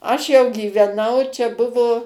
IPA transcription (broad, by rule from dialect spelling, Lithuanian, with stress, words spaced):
ˈɐʃ jɛʊ ɡʲiːʋʲɛˈnɐʊ t͡ʃʲɛ ˈbʊʋoː